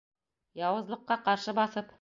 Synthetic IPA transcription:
jɑwɤ̆zlˠɤ̆qːɑqɑɾʃɤbɑθɤp

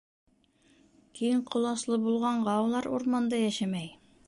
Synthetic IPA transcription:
kijɘɴqʰŏlˠɑslˠɤbulˠʁɑɴʁɑwlˠɑɾṵɾmɑnd̪ɑjæʃæmæj

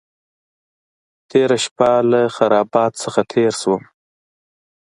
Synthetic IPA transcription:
t̪ʰeɾaʃpalaxaɾɑbɑt̪səxat̪ʰeɾswəm

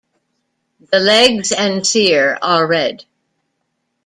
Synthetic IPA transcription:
ðəlɛɡzɨ̃nsiɹə˞ːɛd̥

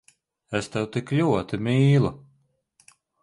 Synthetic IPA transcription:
ɛst̪ɛwt̪iklʲuɔt̪ɨmʲiːlˠu

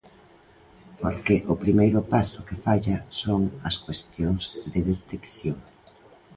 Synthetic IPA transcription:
poɾkeʔʊpɾimejɾʊpasʊkɪfaʎɐsoŋɐskwest̪joŋzðɪðet̪ekθjoŋ

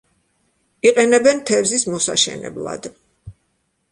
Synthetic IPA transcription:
iqʼɛnɛbɛnt̪ʰɛvzismɔsa̰ʃɛ̰nɛ̰blˠa̰d̪

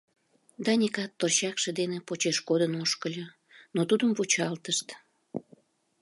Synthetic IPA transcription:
d̪ɑnʲikɑt̪ːorɕɑkʃed̪enepot͡ɕeʃkod̪ənoʃkəlʲo | not̪ud̪əmvut͡ɕɑlt̪əʃt̪

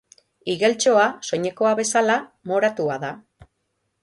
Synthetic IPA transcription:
iɣe̞lt͡ʃo̞aso̞ɲe̞ko̞aβe̞salamo̞ɾat̪uaða

